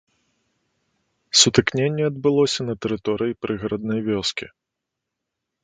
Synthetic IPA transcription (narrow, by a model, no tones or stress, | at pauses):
sut̪ɨknʲenʲːɛɐd̪̚bɨlˠɔsʲɐnɐt̪ɛɾɨt̪ɔɾɨjipɾʔɨɣɾɐd̪nɐjvʲɔskʲi